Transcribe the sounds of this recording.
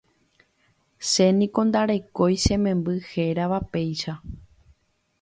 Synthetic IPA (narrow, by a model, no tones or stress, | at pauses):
se̞nĩkõ̞nd̪aɾe̞ko̞jʃẽ̞mẽ̞mbɨhe̞ɾaʋape̞jʃa